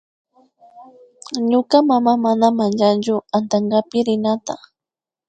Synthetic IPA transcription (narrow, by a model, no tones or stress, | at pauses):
ɲʊkamamamanamand͡ʒant͡ʃʊant̪aɴɡapɪɾɪnat̪a